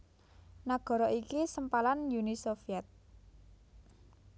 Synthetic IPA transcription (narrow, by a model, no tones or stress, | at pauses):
naɡ̥ɔ̤ɾɔʔikisəmpalanjunisofiɛt̪̚